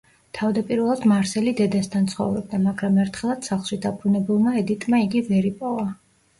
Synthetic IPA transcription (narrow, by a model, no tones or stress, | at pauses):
t̪ʰavd̪apʼiɾvɛlˠad̪maɾsɛlid̪ɛd̪ast̪ʰant̪sʰχɔ̰vɾɛb̚d̪amaɡɾamɛɾt̪ʰχɛlˠad̪̥saχlˠʃid̪apʰɾunɛbulˠmaɛd̪it̪ʼmaiɡivɛɾipʼɔva